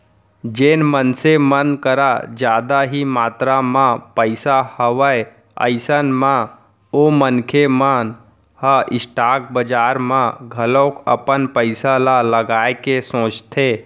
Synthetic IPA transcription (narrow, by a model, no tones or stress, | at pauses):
d͡ʒeːnmənsemənkəɾad͡ʒjaːd̪aɦimaːt̪ɾamãpəɪsahəʋəj | ə̰ɪsənmã | omənkʰemən | həʔɪsʈaːk̚bəd͡ʒaːɾmãɡʱəlokə̰pənpəɪsalaləɡaːekesõːt͡ʃt̪ʰe